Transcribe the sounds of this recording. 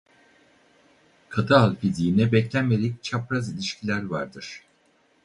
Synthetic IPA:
kʰat̪ɯalˠfid̪iːnɛbɛclʲænmeɾɛc̚t͡ʃʰapɾazilʲiʃcʰilʲæɾvaɾd̪ɯɾ̥

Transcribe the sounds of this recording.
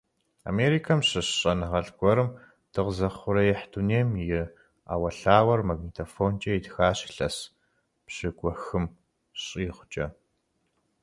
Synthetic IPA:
a̰meːɾikʰɐmɕɨɕɕʼɐnɨʁɐɮɡʷɔɾɨm | d̥ɨʁzɐχʷʊɾɐjɪħduneːmjɪ | a̰ːwɐɬaːwɐrmɐɡnitʰofoːnt͡ʃʼɐjidxaːɕɪ̥ɬɐs | pɕɪɡʷʼɔxɨm | ɕʼiːχʷt͡ʃʼɐ

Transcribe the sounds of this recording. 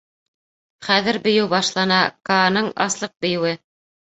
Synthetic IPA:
χæðɘɾbɵ̆jɘwbɑʃlˠɑnɑkɑnɤɴɑ̰slˠɤq̚bɵ̆jɘ̆wɘ

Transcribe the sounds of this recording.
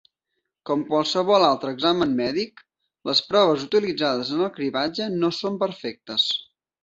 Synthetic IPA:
kɔmkwalˠsəβɔlalˠt̪ɾəːɡzamənmɛðik | ləspɾɔβ̞əzut̪ilid͡zaðəzənəlˠkɾiβad͡ʒənosompəɾfɛk̚t̪əs

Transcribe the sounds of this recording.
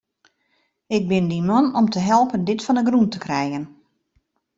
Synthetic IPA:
ɪɡ̚bɪndimɔnɔmtəɦɛlˠpəndɪtfɔnəɡruntəkrɛjɣən

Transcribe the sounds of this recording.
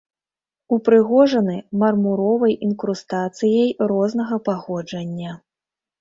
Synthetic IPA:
upɾɨɣɔʐɐnɨmɐrmuɾɔvɐjinkɾust̪at̪sɨjɐjrɔznɐɣɐpaɣɔd͡ʐɐnʲːɐ

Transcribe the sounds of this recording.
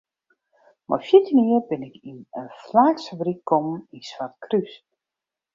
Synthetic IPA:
mʔɔ̰jfjɪtiniərbɪnɪkinənflaːksəbrikkʰːɔminsʋart̚kʰrys

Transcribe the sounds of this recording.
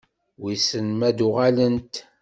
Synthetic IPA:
wisənmæd̪uʁalənt̪

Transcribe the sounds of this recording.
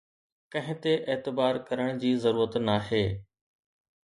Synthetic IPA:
kɐ̃ɦɪ̃t̪eʔeːt̪ɪbaːɾkɐɾəɽ̃d͡ʑiːzɐɾuːɾət̪naɦeː

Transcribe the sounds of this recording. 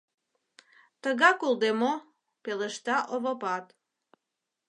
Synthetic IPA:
t̪əɣɑkulˠd̪emo | peləʃt̪ɑʔoβopɑt̪

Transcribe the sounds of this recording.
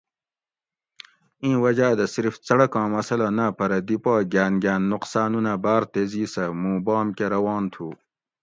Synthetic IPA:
ĩːwɐd͡ʑaːd̪ɐsiɾft͡sɐɽɐkɑ̃ːmɐsɐlɐnapɐɾɐd̪ipaːɡʲaːnɡʲjaːnːuqsaːnunabaːɾt̪eːziːsɐmũːbɑːmkeɾɐwɑːnt̪ʰuː

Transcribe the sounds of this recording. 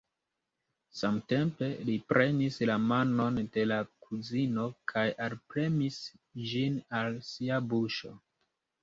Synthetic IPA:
samte̞mpe̞lipɾʔe̞nislamano̞nde̞lakʰuzino̞kʰajalpɾe̞misd͡ʒinalsiabuʃo̞

